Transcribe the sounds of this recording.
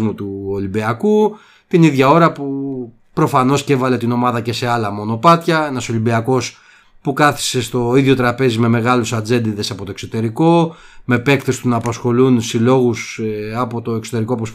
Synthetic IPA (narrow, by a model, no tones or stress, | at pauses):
mut̪uolimbiɐku | t̪iniðʝɐo̞ɾɐpu | pɾo̞fɐno̞sce̞vɐle̞t̪ino̞mɐðɐce̞se̞ɐlɐmo̞no̞pɐt̪çɐenɐso̞limbiɐko̞s | pukɐθi̥se̞st̪o̞iðʝo̞t̪ɾɐpe̞zime̞me̞ɣɐlusɐd͡ze̞nd̪iðe̞sɐpo̞t̪o̞ekso̞t̪e̞ɾiko̞me̞pe̞kt̪est̪unɐːpɐsxo̞lunsilo̞ɣusɐpo̞t̪o̞ekso̞t̪e̞ɾikoɐpos